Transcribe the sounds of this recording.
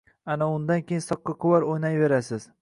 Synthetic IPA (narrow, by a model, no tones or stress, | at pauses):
anaʊnd̪ankʲejɪnsɒqːɑqʰʊwaɾojnajve̞ɾasɪz